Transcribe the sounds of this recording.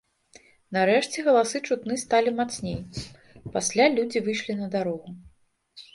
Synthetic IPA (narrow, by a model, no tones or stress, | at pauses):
naɾɛʂt͡sʲɛɣɐlˠasɨt͡ʂut̪nɨst̪alʲimat̪snʲej | pasʲlʲalʲud͡zʲivɨʂlʲinɐd̪aɾɔɣu